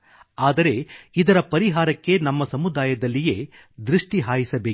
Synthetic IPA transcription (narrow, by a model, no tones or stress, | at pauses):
aːd̪ɐɾe̞id̪ɐɾɐpɐɾiɦaːɾɐkːe̞nɐmːɐsɐmud̪aːjɐd̪ɐlːije̞ː | d̪ɾiʂʈiɦaːjisɐbeː